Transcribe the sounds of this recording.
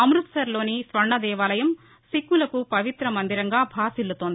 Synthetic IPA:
ɐmɾut̪sɐɾlo̞ːnisʋɐɾɳːɐd̪ɛːʋaːlɐjɐm | sikːulɐkupɐʋit̪ɾɐmɐnd̪iɾɐŋɡaːbʱaːsilːut̪oːnd̪i

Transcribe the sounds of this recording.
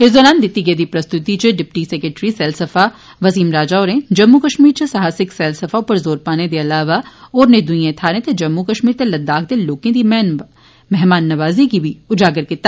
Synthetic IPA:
ɦezoːlaːnd̪ɪt̪ːiɡeːd̪ipɾɐst̪ʊt̪it͡ʃeɖɪpʈisɛːkɾeʈɾisɛːlsɐfa | ʋɐsiːmɾaːd͡ʒaːoːɾẽd͡ʒɐmːukɐʃmiːɾt͡ʃesɐɦaːsɪksɛːlsɐfaːpɐɾzoːɾpaːned̪eɐlaːʋaɔːɾned̪ʊĩjẽt̪ʰaːɾẽt̪ed͡ʒɐmːukɐʃmiːɾt̪elɐd̪ːaːk̚d̪eloːkẽd̪im | mɛɦmaːnːɐʋaːzikibʱiʊd͡ʒaːɡəɾkɪt̪ːa

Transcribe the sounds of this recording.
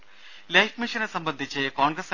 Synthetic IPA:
lɐjkmiʃɐnɐsɐmbɐnd̪ʱit͡ɕːekaːŋɡɾɐs

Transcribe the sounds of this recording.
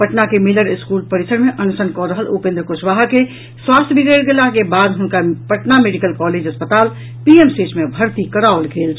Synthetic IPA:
pəʈnakemɪləɾɪskuːlpəɾisəɾmeʔənsənkɔɾəɦəlupẽnd̪ɾəkoʃʋaɦke | swaːst̪ʰəbʱikelɡelakebaːd̪ɦʊnkapəʈnameɖikəlkɔled͡ʒɦəspət̪aːl | piemseːt͡ʃmebʱəɾt̪ikəɾaʊlɡeːlt͡ʃʰ

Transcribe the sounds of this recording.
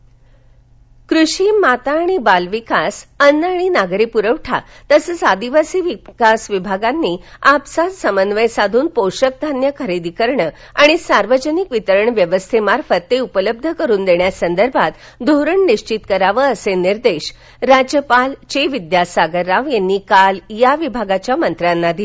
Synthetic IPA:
kɾuɕiːmat̪aːɽ̃ibalʋikasənːaɽ̃inaɡɾipuɾəʋʈʰa̰ | t̪əsət͡sad̪iʋasiːʋikasʋibʱaɡanːiːapsad͡zsəmənʋəjsad̪ʱuːnpoɕək̚d̪ʱanjəkʰəɾid̪ikəɾɳə | aɽ̃isaɾʋəd͡ʑənikʋit̪əɾəɳʋjəʋəst̪ʰemaɾfət̪ːeupələb̚d̪ʱəkəɾuːnd̪eɳjasənd̪əɾbʱat̪ | d̪ʱoɾəɳniɕt͡ɕit̪kəɾaʋəəseniɾd̪eɕ | ɾad͡ʑjəpalt͡ɕeʋid̪jasaɡəɾːaʋjenːiːkaljaʋibʱaɡat͡ɕjamənt̪ɾanːad̪i

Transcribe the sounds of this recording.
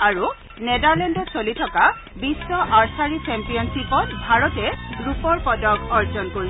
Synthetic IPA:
aɹu | nɛdaɹlɛndɔsolitʰɔka | bisːɔʔaɹsaɹit͡ʃɛmpijɔnsipɔtbʱaɹɔtɛɡɹupɔɹpɔdɔkɔɹzɔnkoɹi

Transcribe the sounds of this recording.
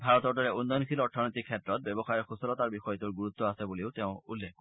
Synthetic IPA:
bʱaɹɔt̪ɔɹtɔɹɛunːɔjnkʰilɔɹtʰanɔjt̪ikʰːɛtɹɔt̪̚bebɔxajɔxusɔlɔt̪aɹbixɔjɔt̪uɹɡuɹut̪ːɔasɛbuliʊt̪eʊ̃ulːekːɔ

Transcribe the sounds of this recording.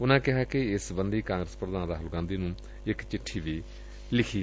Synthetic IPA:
ʊnãːkɪɦaːkɪɪsbənd̪iːkãːŋɡɾəspɾəd̪ãːnd̪aːɦəlɡãːnd̪iːnũː | ɪkt͡ʃɪʈʰːiːʋiː | lɪkʰiː

